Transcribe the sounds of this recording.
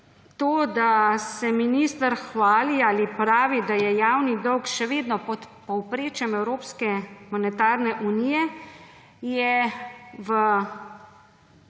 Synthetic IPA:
t̪oːd̪asɛminist̪əɾxʋaːliaːlipɾaːʋid̪ajɛjaːwnid̪ɔwkʃɛʋeːd̪nɔpɔt̪pɔwpɾeːt͡ʃjɛmɛwɾoːpskɛmɔnɛt̪aːɾnɛʔunijɛ | jɛ | ʋə

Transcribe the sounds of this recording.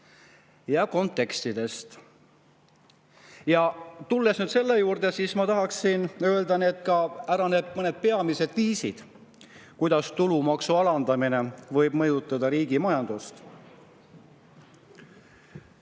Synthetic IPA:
jɑko̞nt̪ːˑe̞kst̪id̪̥e̞st̪ | jɑt̪ulːe̞snyːd̪̥se̞lːe̞juːrd̪̥e̞siːsmɑt̪ɑɦɑksinø̞eld̪ɑne̞ːd̪̥kɑæɾɑneb̥mɤne̞d̪̥̚pe̞ɑmise̞d̪viːsid̪̥ | kujd̪ɑst̪ulumɑksuɑlɑnd̪ɑmine̞vɤ̞jb̥mɤjut̪ˑːɑd̪ɑɾiːɡ̥imɑjɑnd̪̥ust̪

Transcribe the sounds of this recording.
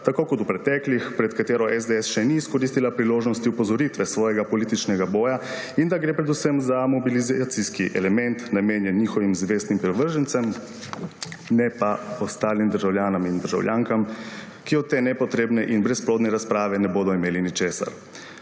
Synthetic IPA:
t̪akoːkɔt̪upɾɛt̪ɛklixpɾɛt̪kat̪eːɾɔʔɛzd̪eɛsʃɛniːskɔɾist̪ilapɾiloːʒnɔst̪iupɔzɔɾit̪ʋɛsʋɔːjɛɡapɔliːt̪it͡ʃnɛɡabɔːja | ind̪aɡɾeːpɾɛd̪usəmzamɔbilizat̪siskiʔɛ̰lɛmɛnt̪nameːnjɛniːxɔʋimzʋeːst̪nimpɾɛʋəɾʒənt̪səm | nɛpaɔst̪aːlimd̪əɾʒawljaːnɔmind̪əɾʒa̰wljʔaːŋkam | kiɔt̪t̪ːeːnɛpɔt̪ɾeːbnɛʔinbɾɛsploːd̪nɛɾaspɾaːʋɛnɛboːd̪ɔimeːlinit͡ʃeːsa̰ɾ

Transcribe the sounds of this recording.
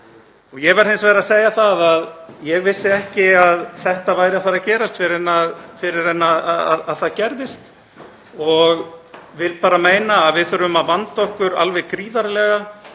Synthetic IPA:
ɔɣjɛɣvɛɾ̥θɪnsvɛːɾaðseːjaθaðaðjɛɣvɪsːɪɛhcɪaðθɛht̪avaːjɾɪaθaɾacɛːɾast̪fɪɾɪɾɛnaðfɪɾɪɾɛnːaðaa̰ðaðθaðcɛɾðɪst̪ | ɔɣvɪlpaːɾameːjnaːðvɪðθfœɾʏmaðvant̪aɔhkʏɾa̰lvɛkɾiːðaɾlɛɣa

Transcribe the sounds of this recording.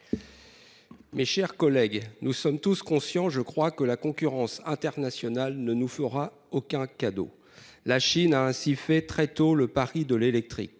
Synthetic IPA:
meʃɛʁkɔlɛɡnusɔmt̪uskɔ̃sjɑ̃ʒəkχwakəlakɔ̃kʲyʁɑ̃sɛ̃t̪ɛʁnasjɔnalnənufəʁa | okɛ̃kad̪o̰ | laʃinaɛ̃sifɛt̪χɛt̪oləpaʁid̪əlelɛk̚t̪χḭk̚

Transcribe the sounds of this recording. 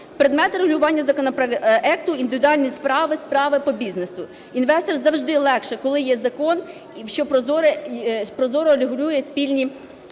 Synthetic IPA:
pɾed̪mɛt̪ɾeɦʊlʲʊʋɑnʲːɐzɐkɔnɔpɐɛk̚t̪ʊind̪ɪʋʲɪd̪ʊɑlʲnʲispɾɑʋɪspɾɑʋɪpɔbʲiznesʊ | inʋɛst̪ɔrzɐwʒd̪ɪlˠɛkʃɛkɔlˠɪjɛzɐkɔn | ʃt͡ʃɔpɾɔzɔɾɛpɾɔzɔɾʊɐlʲɪɦʊlʲujɛsʲpʲilʲnʲi

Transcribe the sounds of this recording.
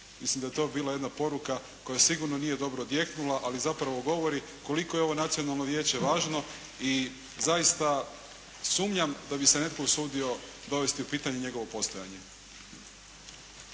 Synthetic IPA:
mislimd̪ajet̪o̞ːbiːlaje̞d̪napo̞ɾuka | ko̞jasiɡuɾnonije̞d̪o̞bɾoːd̪je̞knulaʔalizapɾaʋo̞ɡo̞ʋo̞ɾi | ko̞liko̞jeo̞ʋo̞nat̪sio̞nalˠnoʋje̞ːt͡ɕe̞ʋaːʒno̞ | i | zajist̪a | suːmɲamd̪abise̞ne̞t̪ko̞ɡsuːd̪io̞ | d̪o̞ʋe̞st̪iupiːt̪aɲeɲe̞ɡo̞ʋo̞po̞st̪o̞ja̰ɲe

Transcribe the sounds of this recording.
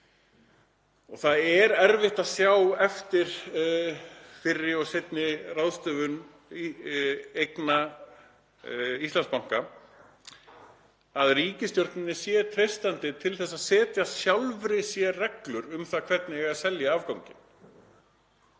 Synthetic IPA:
ɔɣθaðɛɾɛɾvɪht̪aðsjawɛft̪ɪɾ̥ | fɪrːɪɔset̪nɪrawðst̪œːvʏn | ejkna | ist̪anspawŋ̥ka | aðriːcɪst̪jowɾ̥t̪nɪnːɪsjɛt̪ʰɾejst̪ant̪ɪt̪ʰɪlθɛs̬ːaðsɛːt̪jasjawlvɾɪsjɛrɛklʏɾʏmθakʰvɛt̪nɪɛɣasɛljaaːvkawɲcɪn̥

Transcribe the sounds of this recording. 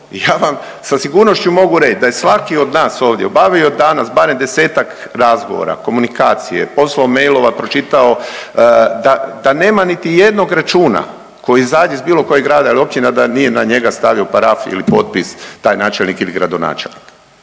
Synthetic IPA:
ijaːʋam | sasiɡuːɾno̞ʃt͡ɕumo̞ɡuɾe̞t͡ʃd̪ajesʋakio̞d̪naːso̞ːʋd̪jebaʋio̞d̪anasbaːɾemd̪e̞se̞ːt̪ak | ɾazɡo̞̰ʋo̰ɾa̰ko̞munikaːt̪sijḛpo̞slaome̞jlo̞ʋapɾo̞t͡ʃit̪ao̞ | d̪ad̪ane̞ːmanit̪ije̞d̪no̞ɡɾat͡ʃuːna̰ | ko̞jizaːd̪eizbiːlˠo̞ko̞jeɡɾaːd̪aalio̞p̚t͡ʃinad̪anije̞naɲe̞ɡast̪aʋiopaɾafiḭlipo̞t̪̚pist̪aːjnaːt͡ʃelnikiliɡɾad̪o̞na̰ːt͡ʃḛlʲnḭk

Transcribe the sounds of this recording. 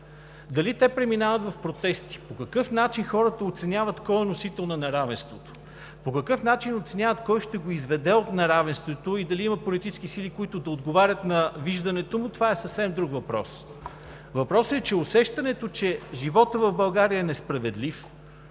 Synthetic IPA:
d̪ɐlit̪ɛpɾɛminavət̪vɐfpɾot̪ɛst̪i̥pokɐkɤfnat͡ʃinxɔɾət̪əot̪sɛnʲjavət̪kɔjɛnosit̪ɛlˠnɐnɐɾavɛnst̪vot̪o̥ | pokɐkɤfnat͡ʃinot̪sɛnʲjavət̪kɔjʃt̪ɛɡoizvɛd̪ɛot̪nɐɾavɛnst̪vot̪oid̪ɐliimɐpolit̪it͡ʃsk̟isilikʊit̪ʊd̪ɐod̪ɡovaɾʲət̪nɐviʒd̪ɐnɛt̪omʊt̪ovaɛsəfsɛmd̪ɾukvɐpɾɔ̰s | vɐpɾɔsɛt͡ʃɛosɛʃt̪ɐnɛt̪ot͡ʃɛʒivɔt̪əvɐvbɐlˠɡaɾiəɛnɛspɾɐvɛd̪lif

